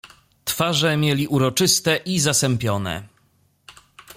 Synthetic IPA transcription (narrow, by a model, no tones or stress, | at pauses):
t̪faʐɛmʲjɛlʲiʔuɾɔt͡ʂɘst̪ɛʔizasɛmpʲjɔnɛ̰